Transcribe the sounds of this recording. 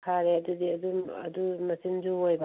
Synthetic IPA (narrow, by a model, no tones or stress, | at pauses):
kʰaɾeɐdudiɐduɐ̰dumɐsind͡ʒuojba